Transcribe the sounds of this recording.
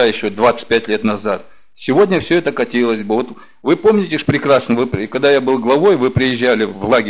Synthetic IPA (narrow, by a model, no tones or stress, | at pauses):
ajɪɕːod̪vat̪sɨ̥t̚ʲpʲætʲlʲe̞t̪nɐzat̪̚ | sʲɪvo̞dʲnʲəfsʲɵɛt̪əkɐtʲilˠəsʲbɨvo̞t̪ | vɨpo̞mnʲɪtʲɪʂpɾʲɪkɾasnəvɨpkɐɡd̪ajabɨlˠɡlˠɐvo̞jvɨpɾʲɪjɪʑːælʲɪvlˠaɡʲɪ